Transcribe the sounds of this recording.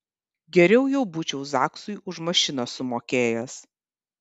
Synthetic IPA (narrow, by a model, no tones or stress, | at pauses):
ɡʲɛɾʲɛʊjɛʊbuːt͡ʃʲɛʊzɑːksʊɪʊʃmɐʃʲɪnɐsʊmoːkʲeːjɛs